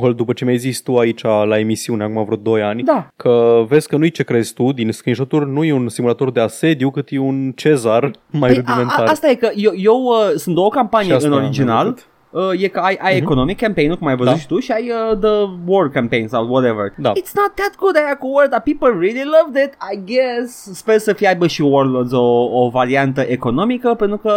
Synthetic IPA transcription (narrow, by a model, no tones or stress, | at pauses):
kold̪upət͡ʃe̞mejzit͡ʃʲt̪uait͡ʃalae̞misiuneakumavɾut̪̚d̪o̞janʲd̪akʰəve̞zʲkənujt͡ʃe̞kɾe̞zt̪ud̪inskɾinʒot̪urʲnujeunsimulat̪o̞rd̪e̞ase̞d̪jukɨt̪jeunt͡ʃe̞zarmajɾud̪imenaast̪aje̞kəjeje̞wəsunt̪okampanijeɨnoɾid͡ʒina̰lt̪ | əje̞kəajʔajeko̞no̞mikːɛ̃mpejnukumajvəzut̪ʃi̥t̪uʃiajəðəworkɛ̃mpẽjnsawt̪wɔɾevə̰ɹd̪aɪt̪snɔt̪̚ðæt̪̚ɡud̪ajakowəld̪apipəlˠɹililʌvd̪ɪt̪ajɡɛsspersəfiajbəʃiworlod̪zoːvaɾiant̪əʔe̞ko̞no̞mikəpent̪ɾukə